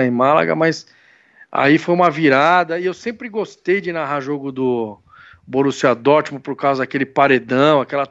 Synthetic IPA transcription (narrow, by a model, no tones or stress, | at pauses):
ẽj̃mala̰ɡɐ̰mɐjs | a̰ifojũmɐviɾad̪ɐɪewsẽmpɾɪɡost̪ejd͡ʒɪnaɦaʒoɡʊd̪ʊ | bonusiad̪ɔt͡ʃimʊpoɾkawzɐd̪akelɪpaɾed̪ɐ̃w̃akɛlɐ